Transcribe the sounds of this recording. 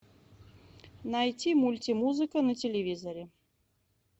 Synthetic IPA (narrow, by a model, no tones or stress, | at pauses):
najtʲimulʲtʲimuzɨkɐnɐtʲelʲevʲizɐɾʲɛ